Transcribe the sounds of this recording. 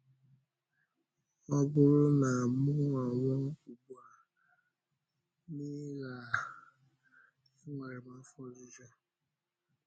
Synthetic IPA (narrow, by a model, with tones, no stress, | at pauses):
ɔ˦bʊ˦ɾʊ˦na˨mʊ˦a˨ŋɔ˦ku˨ɡ͡bu˨a˨ | ni˦ɣa˨ | i˦ŋʷe˨ɾe˨ma˦fɔ˦zi˦d͡ʒɔ˦